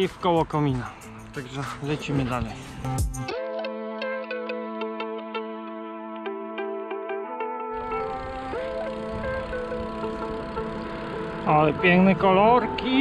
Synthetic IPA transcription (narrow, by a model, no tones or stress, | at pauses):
ifkɔwɔkɔmʲina | t̪aɡʐɛʐɘt͡ɕimɘd̪alɛj | alɛpʲjɛŋknɛkɔlɔɾkʲi